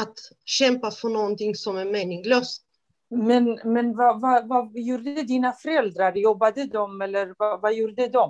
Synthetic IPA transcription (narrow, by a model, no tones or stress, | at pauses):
at̪ | ɕɛmpafɔnɔːɡnt̪ʰɪŋsɔmæɾmeːnɪŋløːst̪ | mɛnmɛnvavavajuːɾɛd̪iːnafœɾɛld̪ɾaɾjɔbːad̪əd̪ɔmɛlːəɾvavajuːɾəd̪ɛd̪ɔm